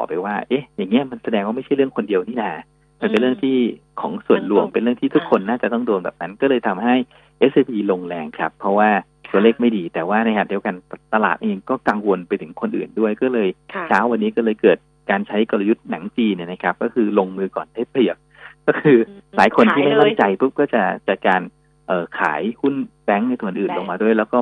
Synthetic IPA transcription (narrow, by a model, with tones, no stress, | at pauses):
ɔ̰ː˨˩pa˧jwaː˥˩ʔe˦˥ja˨˩ŋːi˦˥ɐma˧nsa˧dɛː˧ŋwaː˥˩ma˥˩jt͡ɕʰa˥˩ɾɯ˥˩əŋkʰo˧ndi˧əwniː˥˩naː˨˩ | ma˧npe˧nlɾɯ˥˩əŋt̪ʰiː˥˩ | kʰɔ̰ː˩˦ŋsu˨˩ənlu˧˩əŋpe˧nlɯ˥˩ŋt̪ʰiː˥˩t̪ʰu˦˥kʰːo˧nːaː˥˩t͡ɕa˨˩t̪ɔ˥˩ŋdoː˧nbɛ̰ː˨˩na˦˥nkɔː˥˩lɤː˧jt̪ʰa˧mɦa˥˩j | ʔe˦˥sʔe˧biː˧lo˧ŋlɛː˧ŋkʰɾa˦˥pʰːɾɔ˦˥waː˥˩ | t̪u˧əleː˥˩k̚ma˥˩jdiː˧t̪ɛː˨˩waː˥˩na˦˥kʰa˦˥tdi˧əka˧nt̪a˧la̰ː˨˩t̪̚ʔeː˧ŋkɔː˥˩kaː˧ŋwo˧npa˧jt̪ʰɯ˩˦ŋkʰo˧nʔɯ̰ː˨˩ndu˥˩əjkɔː˥˩lɤː˧jt͡ɕʰaː˦˥wːa˧nːiː˦˥kɔː˥˩lɤː˧jkɤː˨˩t̪̚ | kaː˧nt͡ɕʰa˦˥jkɔ˧la˧ju˦˥t̪̚na˩˦ŋt͡ɕiː˧nːi˥˩na˦˥kʰa˦˥p̚kɔː˥˩kʰɯː˧lo˧ŋmɯː˧kɔ̰ː˨˩nt̪ʰaː˥˩pʰli˨˩ək̚ | kɔː˥˩kʰɯː˧laː˩˦jkʰo˧nt̪ʰiː˥ma˥˩jt̪ɔ˥˩ŋt͡ɕa˧jpʰu˦˥p̚kɔː˥˩t͡ɕa˨˩t͡ɕa˨˩kaː˧n | ʔɤː˨˩kʰa̰ː˩˦jhu˥˩nbɛ˦˥ŋn˧jt̪u˧˩˨nʔɯː˨˩nlo˧ŋmaː˧du˥˩jlɛː˦˥wkɔː˥˩